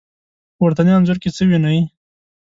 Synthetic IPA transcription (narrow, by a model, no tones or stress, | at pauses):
waɾt̪anjanzʊɾket͡səwinaj